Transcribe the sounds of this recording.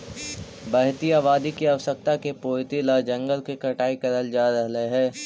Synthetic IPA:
bɐɦt̪ijaːʋaːd̪ikiɐʋəsək̚t̪akepoːt̪ilad͡ʒɐ̃ŋɡəlkekɐʈaːikɐɾəld͡ʒaːɾɐɦleɦɛ̃ː

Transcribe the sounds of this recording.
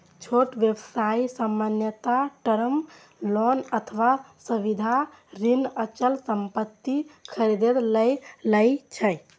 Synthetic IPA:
t͡ʃʰoʈʋjəbsaisəmːənjət̪aʈəɾəm | lɔnət̪ʰəʋa | suʋid̪ʱa | ɾinət͡ʃəlsəmpət̪ːikʰəɾed̪ed̪ləjləjt͡ʃʰə

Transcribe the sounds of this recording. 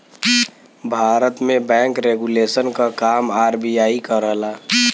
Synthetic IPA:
bʱaːɾət̪mẽbɛ̃ŋkɾeɡulesənkakaːmaːɾbijaːikəɾəɦlaː

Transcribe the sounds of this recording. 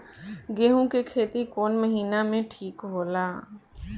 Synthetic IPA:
ɡeːɦũkekʰeːt̪ikoːnməɦiːnamẽʈʰiːkɦoːlaː

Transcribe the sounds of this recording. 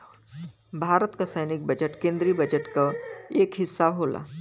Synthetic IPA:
bʱaːɾət̪kasɐɪnɪk̚bɐd͡ʒəʈkẽːnd̪ɾibɐd͡ʒəʈkaeːkɦɪsːaɦoːla̰ː

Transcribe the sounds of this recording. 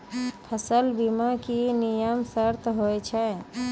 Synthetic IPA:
pʰəsəlbimakinijəmsəɾt̪ʰɦojt͡ʃʰɛ

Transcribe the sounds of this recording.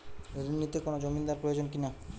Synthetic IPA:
od̪inːit̪ekonod͡ʑomind̪aɾpɾojod͡ʑonkina

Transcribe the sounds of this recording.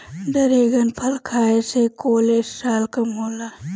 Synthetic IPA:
dəɾeːɡɐnpʰɐlkʰaːesekoːlessaːlkɐmɦoːla

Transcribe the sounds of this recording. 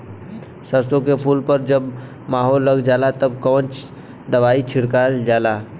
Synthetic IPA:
sɐɾsõkepʰuːlpəɾd͡ʒɐb | maːɦɔːlːɐɡd͡ʒaːlat̪ɐbkəʋə̃nt͡ʃ | d̪ɐʋaːit͡ʃʰɪɽkaːld͡ʒaːlaː

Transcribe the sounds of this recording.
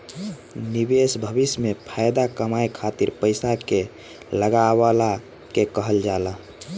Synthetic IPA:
nibesbʱəbismepʰajd̪akəmajkʰat̪iɾpəɪsake | ləɡabala | kekəɦəld͡ʒalə

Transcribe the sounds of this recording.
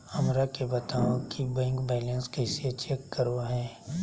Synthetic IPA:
hɐmɾakebət̪aːokibɛ̃ːŋkbɛːlə̃nskɛːsiət͡ʃʰekːəɾoɦɛ̃ː

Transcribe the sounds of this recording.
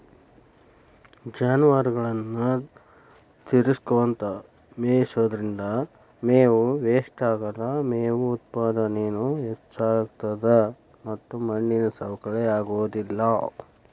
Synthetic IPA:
d͡ʒaːnʋaɾɡɐɭɐnːu | t̪iɾiskoʋɐnt̪ɐ | meːisoːd̪ɐɾind̪ɐ | meːʋuʋeːʂʈaːɡɐɾɐmeːʋuːt̪̚paːd̪ɐnenuɛt͡ʃːaːɾt̪ɐd̪ɐ | mɐt̪ːumɐɳːinɐsɐʋɐkɐɭɛaːɡoːd̪ilːɐ

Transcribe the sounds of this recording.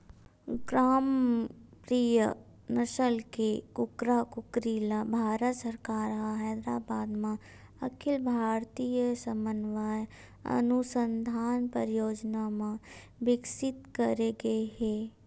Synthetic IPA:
ɡɾaːmpɾijə | nɐʃəlkekʊkɾakʊkɾilabʱaːɾət̪səɾkaːɾɦaɦɛːd̪ɾaːbaːd̪mã | ɐkʰɪlbʱaːɾt̪ijəsə̃mənʋaːj | ɐ̰nusə̃nd̪ʱaːnpəɾjoːd͡ʒnamã | ʋɪksɪt̪kəɾeɡəeɦɛː

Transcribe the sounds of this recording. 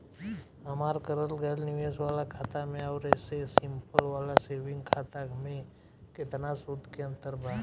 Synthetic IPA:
ɐmaːɾkəɾəlɡɛlnɪʋeːswaːlakʰaːt̪amẽaːɾɛːsesɪ̃mpəlʋaːlaseːʋɪ̃ŋɡkʰaːt̪amẽ | kɪt̪nasʊd̪ʱkeə̃nt̪əɾbʱaː

